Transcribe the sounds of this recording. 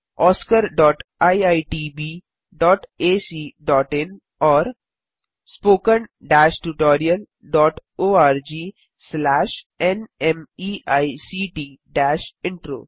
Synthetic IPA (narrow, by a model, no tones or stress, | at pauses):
ɔːskəɾɖɔːʈaaɪʈiːbiː | ɖɔːʈeːsiːɖɔːʈɪ̃n | ɔːɾ | spoːkə̃nɖæːʃʈuʈɔːɾiəl | ɖɔːʈoːaːɾd͡ʒiː | slɛːʃ | enẽmiːaɪsiʈiːɖæːʃɪ̃ɳʈɾo̰ː